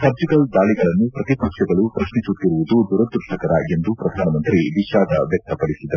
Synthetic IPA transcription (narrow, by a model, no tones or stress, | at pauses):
sɐb̚d͡ʒikɐld̪aːɭiɡɐɭɐnːupɾɐt̪ipɐkʂjɐɡɐɭupɾɐʂnisut̪ːiɾuʋud̪ud̪ʱuɾɐt̪ːuʈʰɐkɐɾɐe̞nd̪upɾɐd̪ʱaːnɐmɐnt̪ɾiʋiʃaːd̪ʱɐʋjɐk̚t̪ɐpɐɽisid̪ːɐɾu